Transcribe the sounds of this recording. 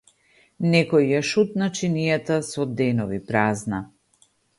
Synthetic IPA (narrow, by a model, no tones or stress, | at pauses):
nɛkɔjːaʃut̪̚nat͡ʃinijat̪asɔd̪ɛnɔvipɾazna